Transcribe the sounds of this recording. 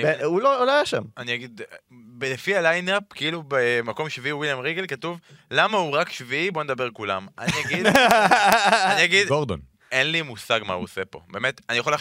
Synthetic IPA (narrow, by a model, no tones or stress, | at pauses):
eulouloajaʃa̰maniaɡid̪belefialajnapkeilubemako̞mʃviiwiljamʁiɡelkatuv | lamauʁakʃviibo̞ned̪abe̞ʁkulamʔa̰niaɡid̪ | aniaɡid̪ɡoʁd̪o̰n | enlimusaɡma̰ṵosepo̞̰beːmet̪anijaχola